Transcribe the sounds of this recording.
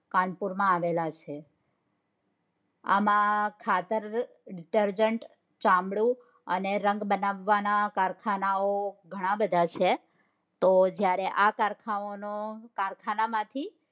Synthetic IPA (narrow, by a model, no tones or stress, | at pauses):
kanpuɾmãaʋelat͡ʃʰe | a̰mãkʰat̪əɾ | ɖiʈəɾd͡ʒəɳʈ | t͡ʃãmɭũ | əneɾəŋɡbənaʋːanakaɾkʰanaoɡʱəɽ̃ãbəd̪ʱat͡ʃʰe | t̪od͡ʒjaɾeʔakaɾkʰaonokaɾkʰanamãt̪ʰi